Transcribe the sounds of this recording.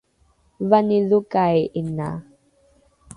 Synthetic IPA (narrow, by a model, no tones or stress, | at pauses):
vanilukajʔina̰